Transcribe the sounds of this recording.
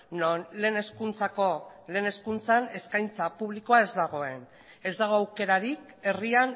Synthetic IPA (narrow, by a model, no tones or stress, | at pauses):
nonle̞ːne̞skunt͡sako̞le̞ːne̞skunt͡sane̞skajnt͡sapuβliko̞ae̞zd̪aɣ̞o̞e̞n | e̞zd̪aɣ̞o̞awke̞ɾaɾik | e̞rian